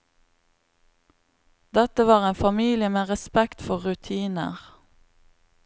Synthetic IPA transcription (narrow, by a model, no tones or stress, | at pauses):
d̪ɛt̪əʋɑːʁeːnfɑmiːlɪəmeːʁɛspɛkt̪fɔʁʉt̪ʰiːnə̰ʁ